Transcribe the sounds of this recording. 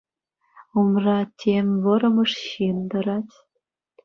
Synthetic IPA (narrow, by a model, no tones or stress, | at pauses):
umrɑtʲʰemʲʋɤ̆ɾɤ̆mɤ̆ʂɕind̪ɤ̆ɾɑtʲ